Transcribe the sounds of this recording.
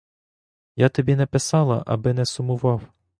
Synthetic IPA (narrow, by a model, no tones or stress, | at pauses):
jat̪ɔbʲinɛpɪsɑlˠɐ̰ʔɐ̰bɪnɛsʊmʊʋɑw